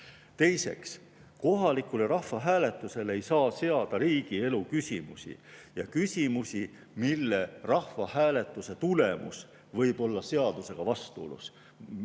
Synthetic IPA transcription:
t̪e̞jse̞̰ks | ko̞ɦɑlikuleɾɑhvɑɦæːle̞t̪ːˑuse̞le̞jsɑːse̞ɑd̪̥ɑɾiːɡ̥ie̞lukysʲimusʲḭjɑkysʲimusʲi | milːerɑhvɑhæːle̞t̪ːˑuse̞t̪ule̞mṵs | vɤ̞jb̥o̞lːɑse̞ɑd̪̥use̞ɡ̥ɑvɑst̪uolṵs

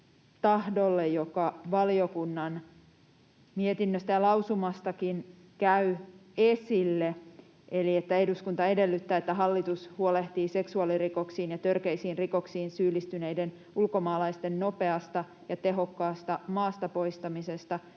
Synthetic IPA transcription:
t̪ɑhdolːejjokɑʋɑliokunːɑn | miet̪inːøst̪æjɑlɑusumɑst̪ɑkin | kæyesilːe | ʔeliet̪ːæeduskunt̪ɑe̞de̞lːyt̪ːæːet̪ːæɦɑlːit̪ushuole̞ht̪iːse̞ksuɑliriko̞ksiːnjɑt̪ørkeisiːnriko̞ksiːnsyːlist̪yneiden | ulko̞mɑːlɑist̪enno̞pe̞ɑst̪ɑ | jɑt̪e̞ɦo̞kːɑːst̪ɑmɑːst̪ɑpo̞ist̪ɑmise̞st̪ɑ

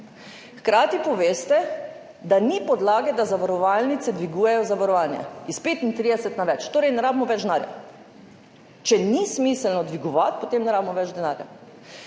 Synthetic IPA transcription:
xkɾaːt̪ipɔʋeːst̪ɛ | d̪anipɔd̪laːɡɛd̪azaʋaɾɔʋalnit̪sɛd̪ʋiɡuːjɛjɔzaʋaɾɔʋaːnjɛ̰ispeːt̪int̪ɾiːd̪ɛsɛt̪naʋɛt͡ʃt̪oːɾɛjnɛɾaːbimɔʋɛd͡ʒd̪naːɾja̰ | t͡ʃɛnismislnɔd̪ʋiɡɔʋat̪̚pot̪eːmnɛɾaːbmɔʋɛd͡ʒd̪ɛnaːɾja̰

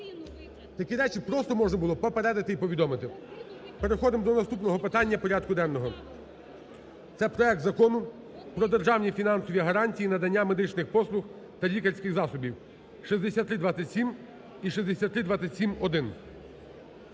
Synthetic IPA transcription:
t̪ɐkʲiɾɛt͡ʃipɾɔst̪ɔmɔʒnɐbʊlˠɔpɔpeɾɛd̪ɐt̪ɪipɔʋʲid̪ɔmɪt̪ɪ | pe̞ɾexɔd̪ɪmd̪ɔnɐst̪upnɔɦɔpɪt̪ɑnʲːɐpɔɾʲɑd̪̚kʊd̪ɛnnɔɦɔ | t̪sɛpɾɔɛk̚t̪zɐkɔnʊ | pɾɔd̪erʒɑwnʲifʲinɑnsɔʋʲiɐɦɐɾɑnʲtʲijinɐd̪ɐnʲːame̞d̪ɪt͡ʃnɪxpɔslˠʊx | t̪ɐlʲikɐɾʲsʲkɪxzɑsɔbʲiw | ʃizd̪esʲat̪ːɾɪd̪ʋɑt͡sʲɐtʲsʲim | iʃizd̪esʲat̪ːɾɪd̪ʋat͡sʲɐtʲsʲimɔd̪ɪn

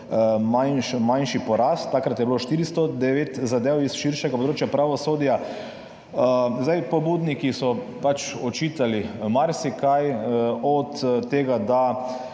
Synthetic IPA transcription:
manʃmanʃipɔɾast̪ːakɾat̪jɛbiloʃt̪iɾist̪ɔd̪ɛʋeːt̪zad̪ewisʃiɾʃɛɡapod̪ɾoːt͡ʃjapɾaʋɔsoːd̪ja | zd̪ajpɔbud̪nikisɔpat͡ʃɔt͡ʃit̪alimaɾsikajɔt̪t̪ːeːɡad̪a

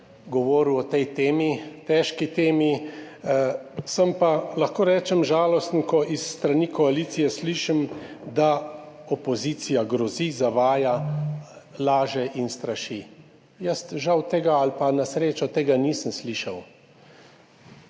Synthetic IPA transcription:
ɡɔʋɔːɾuɔt̪ɛjt̪eːmit̪ɛːʃkit̪eːmi | səmpalaxkoːɾɛːt͡ʃɛmʒaːlɔst̪nkɔʔisːt̪ɾaniːkɔaliːt̪sijɛsliːʃimd̪a | ɔpɔziːt̪sijaɡɾɔzizaʋaːja | laːʒɛʔinst̪ɾaʃi | jəst̪ʒawt̪ɛɡaalpanasɾeːt͡ʃɔt̪eːɡaniːsəmsliːʃa̰w

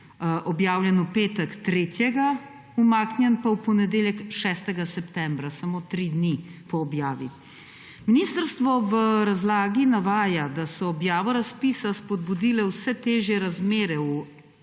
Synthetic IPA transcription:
ʔɔbjaːwljɛnupeːt̪ɛkt̪ɾeːt̪jɛɡa | umaːknʲjɛnpawpɔnɛd̪eːljɛkʃɛst̪ɛɡasɛpt̪ɛmbɾasamoːt̪ɾid̪nipɔːbjaːʋḭ | minist̪əɾst̪ʋɔʋəɾazlaːɡinaʋaːjad̪asɔːbjaːʋɔɾaspiːsaspɔd̪̚bud̪ilɛwsɛt̪eːʒjɛɾazmeːɾɛu

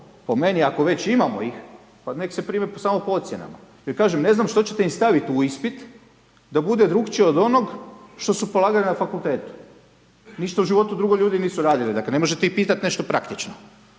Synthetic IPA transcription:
pome̞niako̞ʋe̞t͡ɕimamo̰ix | pane̞kse̞pɾiːmepsaːmo̞poot̪sjena̰ma̰jeɾkaːʒemne̞znamʃt̪o̞t͡ɕet̪eimst̪aʋit̪uispit̪ | d̪abud̪ed̪ɾuɡt͡ʃiod̪o̞noɡʃt̪o̞supo̞lˠaːɡalinafakulˠt̪e̞ːt̪u̥ | niʃt̪auʒiʋo̞t̪ud̪ɾuɡo̞ʎuːd̪iniːsuɾaːd̪ilid̪akle̞ne̞moʒet̪eixpiːt̪at̪ne̞ʃt̪opɾakt̪it͡ʃno

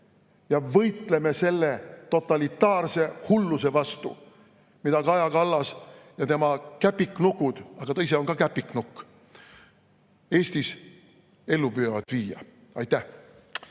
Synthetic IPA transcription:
jɑvɤjt̪le̞me̞se̞lːet̪o̞t̪ːˑɑlit̪ːˑɑːrse̞hulːuse̞vɑst̪ṵ | mid̪ɑkɑjɑkɑlːɑsjɑt̪emɑkæpːiknukːˑud̪̥ɑɡ̥ɑt̪ɤjs̬eo̞nŋkɑkæpːikːnukː | e̞ːst̪is | e̞lːupyjɑvɑd̪̥viːjɑ̰ɑjt̪ːæh

